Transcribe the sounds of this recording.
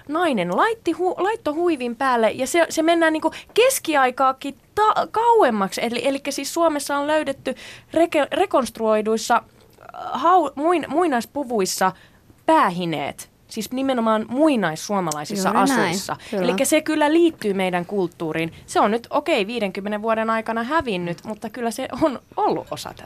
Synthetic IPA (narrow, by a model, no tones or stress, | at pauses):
nɑinenlɑit̪ːihulɑit̪ːohuiʋimpæːlːejɑsesemenːæːniːŋkukeskiɑikɑːkːit̪ɑkɑuemːɑkselielikːæsissuomesːɑolløydet̪ːyrekerekonst̪ruoiduisːɑ | hɑumuinmuinɑispuʋuisːɑ | pæːɦinḛːt̪ | siːsnimenomɑːnmuinɑissuomɑlɑisisːɑʔɑsuisːɑ̰elikːæsekylːæliːt̪ːyːmeidæŋkult̪ːuːɾiːnseonnyt̪okeiʋiːɾeŋkymːeneʋʋuoɾenɑikɑnɑhæʋinːyt̪mut̪ːɑkylːæseʔonolːṵʔʔosɑ̰t̪æ